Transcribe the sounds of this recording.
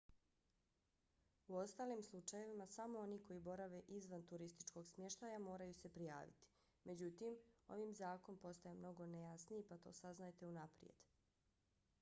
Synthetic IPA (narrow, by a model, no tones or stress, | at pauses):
uo̞st̪aːlimslˠut͡ʃaje̞ʋimasamo̞o̞niko̞jibo̞ɾaʋe̞ʔizʋant̪uɾist̪i̥t͡ʃko̞ɡsmjeʃt̪ajamo̞ːɾajuse̞pɾija̰ːʋḭt̪i̥ | mʔe̞d͡ʑut̪imo̞̰ʋiːmzaːko̞npo̞st̪ajemno̞ɡo̞nejasniipat̪o̞̰ːsaznajt̪e̞unapɾḭe̞̰d̪̥